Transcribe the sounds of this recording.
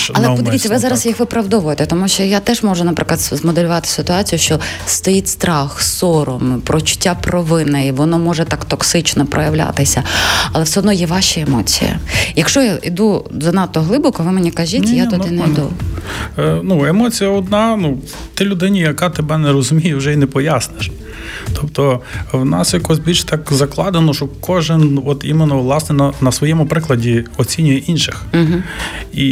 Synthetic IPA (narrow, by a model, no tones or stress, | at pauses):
ɐlˠɛpɔd̪ɪʋʲiːɐʋɪzɑɾɐsjixʋɪpɾɐʋd̪ɔʋʊjɛt̪ɛt̪ɔmuʃt͡ʃɔjat̪ɛʒmɔʒʊnɐpɾʔɪklˠɐt̪zmɔd̪elʲʊʋɑt̪ɪ̥sɪt̪ʊɑt͡sʲijʊʃt͡ʃɔst̪ɔjitʲst̪ɾɑxsɔɾɔmpɾɔt͡ʃʊ̥tʲːapɾɔʋɪnɐjʋɔnɔmɔʒɛt̪ɑkt̪ɔksɪt͡ʃnɔpɾʔɔjɐʋlʲa̰t̪ɪsʲɐɐlˠɛwsɛɦɔd̪nɔjɛʋɑʃɛemɔt͡sʲḭjɐ̰jɐkʃt͡ʃɔjaid̪ud̪ɔnɑt̪ːɔɦlˠɪbɔkɔʋɪmenʲikɐʒit̪ʲjat̪ɔinɐjd̪u | nuemɔt͡sʲijɐɔd̪nɑnu | t̪ɪlʲʊd̪ɪnʲijɐkɑt̪ebɛnɛɾɔzʊmʲijʊwʒɛinɛpɔjasneʃ | t̪ɔpt̪ɔʋnɑsjɐkɔsʲbʲilʲʃt̪ɑkzɐklˠɑd̪enɔʃɔkʰɔʒɪnɔt̪ḭmenːɔʋlˠɑsnɛnɐnɐsʋɔjɛmʊpɾɪklˠɐdʲiɔt͡sʲinʲʊjɛʔinʃɪx̩ɦ̩i